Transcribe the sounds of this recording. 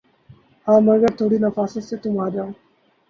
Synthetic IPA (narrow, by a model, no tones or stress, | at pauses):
hãːmɐɾɡəɾt̪ʰoːɽiːnafaːsəset̪umaːd̪jãː